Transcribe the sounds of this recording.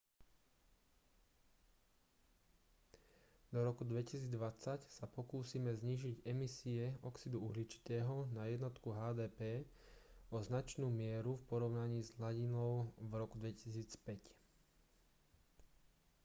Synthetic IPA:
d̪ɔɾɔkud̪ʋɛcisiːd͡zd̪ʋat͡sacsapɔkuːsiːmɛzɲiːʒiɟɛmisiɛɔksid̪uuɦlit͡ʃi̥t̪ɛːɦɔnajɛd̪nɔt̪kuɦaːd̪ɛːpɛː | ɔznat͡ʃnuːmɪɛɾufpɔɾɔʊnaɲiːzɦlaɟinɔʊvɾɔkud̪ʋɛcisiːt͡spɛc

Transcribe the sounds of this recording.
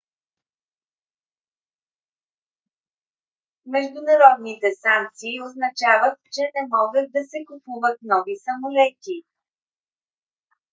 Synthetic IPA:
mɛʒd̪unɐɾɔd̪nit̪ɛsaŋk̚t̪siːoznɐt͡ʃavət̪̚t͡ʃɛnɛmɔɡət̪̚d̪ɐsɛkupuvət̪̚nɔvisɐmolɛt̪ʲi

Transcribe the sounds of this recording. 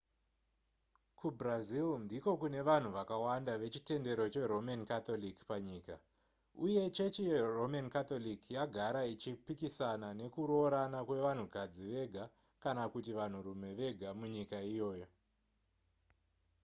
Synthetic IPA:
kubrazilndiko̞kune̞ʋan̤uʋakawandaʋe̞t͡ʃite̞nde̞ɾo̞t͡ʃe̞ro̞mankat̪o̞likpaɲiːka | uje̞t͡ʃe̞t͡ʃijero̞mankat̪olikjaɡʱaɾait͡ʃipikisanane̞kuɾo̞ːɾanakwe̞ʋan̤ukad͡ziʋe̞ɡʱa | kanakutiʋan̤uɾume̞ʋe̞ɡʱamuɲikaijo̞ːjo̞

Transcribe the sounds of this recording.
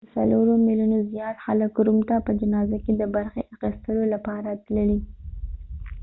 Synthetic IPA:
əsa̰loɾomilunozijɑt̪xaləkɾumt̪apəd͡ʒanɑzaked̪əbaɾxeʔaxist̪əlolapɑɾat̪ləli

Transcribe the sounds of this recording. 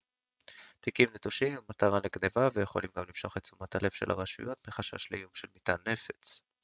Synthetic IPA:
t̪ikimnetuʃimmːat̪aʁaneɡnevavejeχo̞̰limɡamlimʃo̞χet͡sumat̪ale̞v̥ʃela̰ʁaʃṵjo̞t̪miχaʃa̰ʃlejumʃelmit̪anːe̞fe̞̥t͡s

